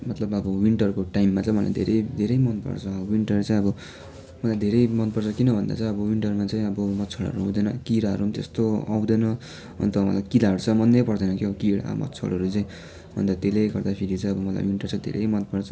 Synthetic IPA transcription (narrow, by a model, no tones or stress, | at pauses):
mʌt̪lʌbʌbʌwiɳʈʌrkoʈajmːat͡saj̃mʌla̰jd̪ʱḛɾʌjd̪ʱeɾʌjmʌnpʌ̰rt͡sʰʌwiɳʈʌrt͡saj̃ʌbʌ | mʌlajd̪ʱeɾʌjmʌnpʌrt͡sʰʌkinʌbʱʌnd̪a̰t͡saj̃ʌbʌwiɳʈʌrmat͡saj̃ʌbʌmʌt̪t͡sʰʌɽɦʌ̰ɾuɦũd̪ʌnʌkiɾaɦʌ̰ɾuɦmt̪est̪oa̰w̃d̪ʌjnʌ | ʌ̰nt̪ʌmʌ̰lajkilaʌɾut͡sʰʌmʌnːejpʌrd̪ʌnʌkiʌbʌkiɽa̰mʌ̰t̪ːt͡sʰʌ̰ɽʌɾut͡saĩ | bʱʌ̰nd̪at̪elejɡʌrd̪apʰiɾit͡saj̃ʌbʌmʌla̰jwiɳʈʌrt͡sãj̃d̪ʱḛɾʌ̰jmʌnpʌrt͡sʰʌ